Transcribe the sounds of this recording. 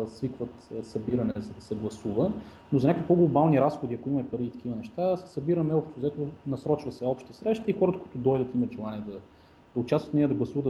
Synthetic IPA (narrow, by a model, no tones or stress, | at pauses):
svikvət̪ːsɐbiɾɐnɛzɐd̪ɐsɛɡlˠɐsuvə | nozɐnʲakikvoɡlˠobalˠniɾasxod̪iɐkoimɐmɛpɐɾiːt̪ɐ̥kʲivənɛʃt̪asɛ̥sɐbiɾəmɛɔpʃt̪ʊzɐɛt̪onɐsɾɔt͡ʃvɐsɛɔpʃt̪əsɾɛʃt̪əixɔɾət̪əkʊi̥t̪ʊd̪ɔjd̪ət̪imɐt̪ʒɛlˠaniɛd̪ɐ | d̪ɐʊt͡ʃast̪vət̪nɛjəd̪ɐɡlˠɐsuvəd̪